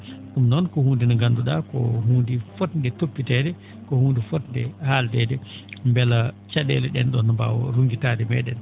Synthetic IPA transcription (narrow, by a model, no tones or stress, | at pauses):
ɗumnɔnkɔhuːndinɔɡanduɗakɔ̰ɦuːndifɔtndɛtopːitɛdɛ | kɔhuːndifɔtndɛhaldɛdɛ | mbɛlat͡ʃaɗɛ̰lɛɗɛ̰nɗɔnɔba̰wɔ̰ɾuŋɡitadɛmɛɗɛn